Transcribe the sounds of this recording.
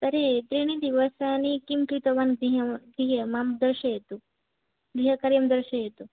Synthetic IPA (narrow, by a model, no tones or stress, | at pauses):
t̪əɾet̪ɾiɽ̃id̪iʋəsanikimkɾit̪əʋanɡɾiɦəɡɾiɦəmamd̪əɾɕəjet̪o | ɡɾiɦəkəɾjɐmd̪əɾɕəjet̪o